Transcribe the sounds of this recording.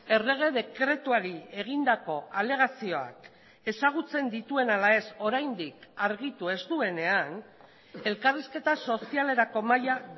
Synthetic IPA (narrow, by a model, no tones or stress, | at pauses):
e̞re̞ɣ̞e̞ðe̞kɾe̞t̪uaɾie̞ɣ̞ind̪ako̞ale̞ɣ̞asio̞a̰k | e̞saɣ̞ut͡se̞nd̪it̪ue̞nalae̞so̞ɾajnd̪ikaɾɣit̪ue̞zt̪ue̞ne̞an | e̞lkariske̞t̪aso̞siale̞ɾako̞maja